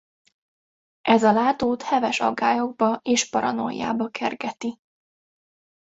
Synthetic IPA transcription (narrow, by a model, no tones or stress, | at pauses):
ʔɛzɒlaːt̪oːt̪hɛvɛʃɒ̰ɡːaːjo̞ɡ̚bɒʔeːʃpɒɾɒ̰no̞̰jːa̰ːbɒkʰɛrɡɛt̪i